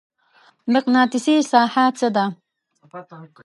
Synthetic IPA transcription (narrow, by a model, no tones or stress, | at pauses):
mɪqnɑːt̪ɪsesaːħat͡səd̪a